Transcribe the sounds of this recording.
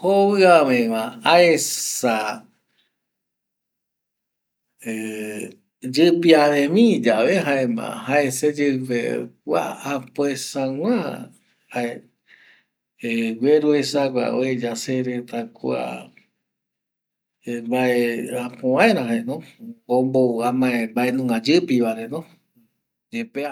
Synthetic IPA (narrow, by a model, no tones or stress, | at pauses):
hoβɨãmẽmãaesa | e | d͡ʒɨpiaβẽmĩd͡ʒaβeɦaemã̰haesed͡ʒɨɨpḛkʷa̰apoesãw̃ã | hae | eɡʷeɾuesakʷa̰oed͡ʒaseɾet̪akua̰ | embaeapõãẽɾãɦenõombouamãẽmbaenũŋɡãd͡ʒɨpiβaɾenõ | d͡ʒepe